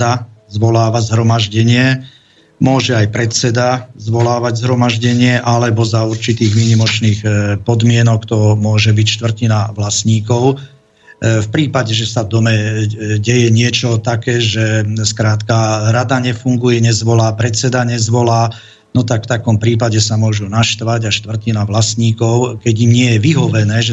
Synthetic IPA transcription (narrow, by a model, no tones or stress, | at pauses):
azʋɔlaːʋazɦɾɔmaʒɟɛɲɪɛ | mʊɔʒɛajpɾɛt͡sɛd̪azʋɔlaːʋaɟzɦɾɔmaʒɟɛɲɪɛʔalɛbɔzauɾt͡ʃit̪iːɣmiɲimɔt͡ʃniːxpɔd̪mɪɛnɔkt̪ɔmʊɔʒɛbicʃt̪ʋr̩cinaʋlasɲiːkɔʊ | fpɾiːpaɟɛʒɛsavd̪ɔmɛɟɛjɛɲɪɛt͡ʃɔt̪akɛːʒɛskɾaːt̪kaɾad̪aɲɛfuŋɡujɛɲɛzʋɔlaːpɾɛt͡sɛd̪aɲɛzʋɔlaː | nɔt̪akft̪akɔmpɾiːpaɟɛsamʊɔʒunaʃt̪ʋaɟaʃt̪ʋr̩cinaʋlasɲiːkɔʊkɛɟimɲɪɛjɛʋiɦɔʋɛnɛːʒɛ